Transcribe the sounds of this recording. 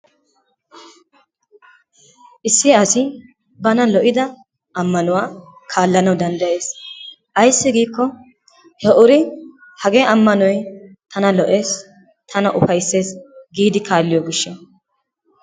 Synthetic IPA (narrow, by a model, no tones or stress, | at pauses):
ʔɪsːɪɐsɪ | bɐnɐlɔʔɪd̪ɐ | ɐmːɐnʊwaː | kʰaːlːɐnɐwd̪ɐnd̪ɐje̞ːs | ʔɐjsːɪɡiːkːɔ | hɛʔʊɾɪ | hɐɡeːɐmːɐnɔj | t̪ʰɐnɐlɔʔe̞ːs | t̪ʰɐnɐʔʊfɐjsːe̞ːsɡiːd̪ɪkaːlːɪjoːɡɪʃːɛ